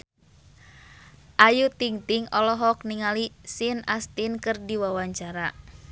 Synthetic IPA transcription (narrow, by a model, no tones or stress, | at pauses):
ʔajut̪iŋt̪iŋɔlɔɦɔk̚niŋalisinast̪inkɨrdiwawaɲt͡ʃaɾa